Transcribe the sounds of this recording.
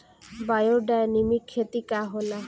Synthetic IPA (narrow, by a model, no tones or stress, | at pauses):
bajoɖaenimikʰːet̪ikaɦola